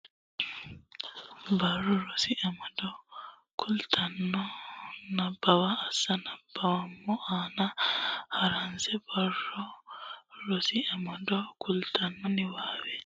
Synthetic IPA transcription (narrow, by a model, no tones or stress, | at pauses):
bɐrːɔɾɔsɪʔɐmɐd̪ɔ | kʰʊlt̪ʰɐnːɔnɐbːɐwaːsːɐnɐb̥ːɐwɐmːɔʔaːnɐhɐɾɐnsɛbɐrːɔ | ɾɔsɪɐmɐd̪ɔkʊlt̪ʰɐnːɔnɪwaːwɛ